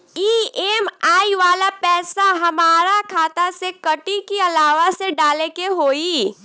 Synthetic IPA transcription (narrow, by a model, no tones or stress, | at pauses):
iːeːmaːiʋaːlapɛːsaɦɐmaːɾakʰaːt̪asekɐʈikiɐlaːʋaseɖaːlekeɦoːiː